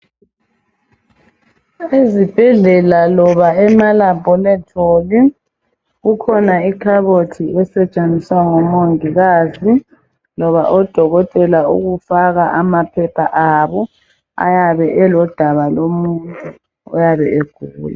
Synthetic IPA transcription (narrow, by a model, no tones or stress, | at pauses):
ezib̥ʱɛɮɛlalɔβaɛmalabʱɔlɛtʰʼoːli | ɣukʰɔnaikʰaβotʰiɛsɛt͡ʃʼaniswaŋɔmoŋiɣaːzi | lɔβaʔɔd̥ʱɔɣɔtʼɛlaṵɣufaɣaʔamapʰɛpʰaʔaːβɔ | a̰jaβɛʔɛlɔd̥ʱaβalomuntʼu | ɔ̰jaβɛʔeɡ̥ʱuːla